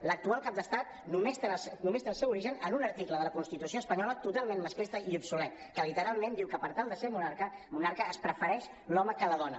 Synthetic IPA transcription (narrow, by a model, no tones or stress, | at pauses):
lək̚t̪ualˠkap̚d̪əst̪at̪̚ | numest̪snumest̪eəlˠsɛwuɾiʒənənunəɾt̪ikləðələkunst̪it̪usioəspəɲɔlət̪ut̪alˠmenməskest̪əiubsulɛt̪̚ | kəlit̪əɾalˠmend̪iwkəpəɾt̪alˠd̪əseɾmunaɾkəmunaɾkəːspɾəfəɾɛʃ | lɔməkələðɔnə̰